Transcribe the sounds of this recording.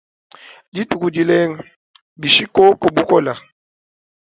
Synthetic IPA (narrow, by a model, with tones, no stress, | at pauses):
di˦tʼu˨ku˨di˨le˦ŋ̩˨ | bi˨ʃi˦kʼo˦ko˨bu˦kɔ˦la˨